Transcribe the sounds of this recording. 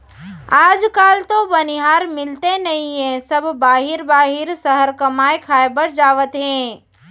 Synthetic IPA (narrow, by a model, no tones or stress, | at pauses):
aːd͡ʒkaːlt̪obɐnɪɦaːɾmɪlt̪enɐɦĩɦɛ̃sɐbʱbaːɦɪɾbaːɦɪɾsəɦəɾkɐmaːekʰaːebəɾd͡ʒaːʋət̪ɦɛ̃ː